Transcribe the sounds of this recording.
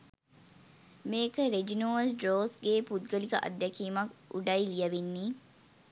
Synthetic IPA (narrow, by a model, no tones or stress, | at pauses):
meːkəɾed͡ʒinoːlɖɾoːsɡeːpud̪̚ɡəlikɐʔɐ̰d̪ːækiːmɐkṵɖɐilijɐʋenːiː